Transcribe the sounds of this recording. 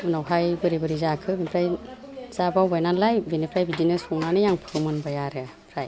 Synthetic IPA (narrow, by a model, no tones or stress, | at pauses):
ɯnawɦajbɯɾibɯɾizakʰɯbinipʰɾaj | z̥abawbajnanlajbinipʰɾajbidinɯsɔŋnanɯjaŋpʰɯɾɯmɯnbajaɾɯapʰɾaj